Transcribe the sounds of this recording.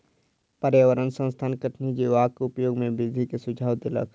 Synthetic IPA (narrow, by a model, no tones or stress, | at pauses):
pəɾjəʋəɾənsə̃nst̪ʰaːnkəʈʰnid͡ʒiʋaːkʊpjoːɡmẽbid̪ʱikesʊd͡ʒʱaːʋd̪ɪlə̰k